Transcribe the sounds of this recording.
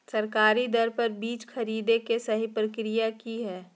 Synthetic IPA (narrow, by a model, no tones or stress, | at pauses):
sɐɾkaːɾid̪ɐɾpɐɾbiːt͡ʃxʰɐɾiːd̪ekesɐɦipɾəkɾijakiɦɛː